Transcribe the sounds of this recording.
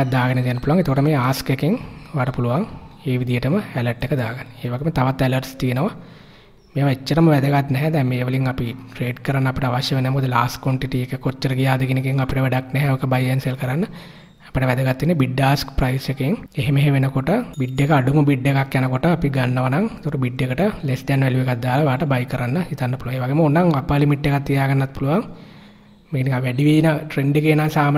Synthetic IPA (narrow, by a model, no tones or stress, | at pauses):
d̪aːɡɐnɐd̪jɐnːɐpuluʋaŋet̪ɐkoʈɐmeːaːskekeŋʋaːʈɐpuluʋaŋeːʋid̪ijɐʈɐmɐɛlɐɾʈːekːɐd̪aːɡɐnːieːʋɐɡemet̪ɐʋɐt̪ːɐɛlɐɾʈst̪ijenɐʋɐ | meːʋɐet͡ʃːɐɾɐmɐʋɛd̪ɐɡat̪nɛɦɛd̪ɛːmeːʋɐliŋɐpiʈɾeːɖkɐɾanːɐːpiʈɐaʋɐʃjɐʋenːɐmːoːd̪ilaːsʈkʋoɳʈiʈiekːekot͡ʃːɐɾɐɡijaːd̪ɐɡinikeŋɐpiʈɐʋɛɖaknɛɦɛokɐbɐjenselkɐɾanːɐ | ɐpiʈɐʋɛd̪ɐɡat̪ːinːebiɖːaːskprɐjsjɐkeŋeɦemeɦeʋenɐkoʈəbiɖːekɐɐɖumubiɖːekakːjanɐkoʈɐːpiɡɐnːɐʋɐnaŋet̪koʈubiɖːekɐʈɐlesd̪ɛnːɐʋeliʋekɐd̪ːaːlɐʋaːʈɐbɐjkɐɾanːɐhit̪anːɐpuluʋaŋeːʋaːɡemɐonːaŋɐpɐlimiɖːekat̪ːijaːɡɐnːat̪pulɐʋaŋ | mekiniŋaʋɛɖiʋid̪inɐʈɾeɳɖekenːaːsaːm